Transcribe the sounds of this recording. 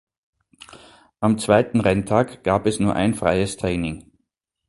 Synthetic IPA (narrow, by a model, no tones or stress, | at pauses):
ʔamt͡sv̥aɪtn̩ʁɛntʰaːkɡ̥aːpɛsnuːɐʔa̰ɪnfʁ̥a̰ɪəstʁ̥ɛːnɪŋ